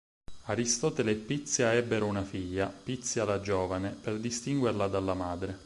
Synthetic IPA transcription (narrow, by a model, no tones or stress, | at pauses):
aɾist̪ɔːt̪eleːpːit̪sːjaɛbːeɾounafiʎːapit̪sjalad͡ʒoːvaneperd̪ist̪iŋɡwerlad̪alːamaːd̪ɾe